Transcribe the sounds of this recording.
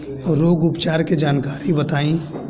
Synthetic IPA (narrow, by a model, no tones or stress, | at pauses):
ɔɾoːɡʊpt͡ʃaːɾked͡ʒaːnkaːɾibɐt̪aːĩ